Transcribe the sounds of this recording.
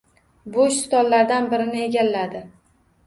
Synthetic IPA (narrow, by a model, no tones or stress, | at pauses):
bʊʃst̪ɒnlːaɾd̪anbɪɾɪnɪe̞ɡʲalːad̪ɪ